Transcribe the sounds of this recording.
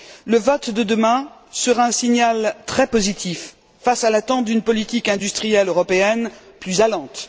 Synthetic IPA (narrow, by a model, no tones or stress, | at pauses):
ləvɔt̪d̪əd̪əmɛ̃ | səʁaɛ̃siɲalt̪χɛpozit̪ʰifː | asalat̪ɑ̃t̪̚d̪ynpɔlit̪ikɛ̃d̪yst̪χijɛløʁɔpeɛn | plyzalɑ̃t̪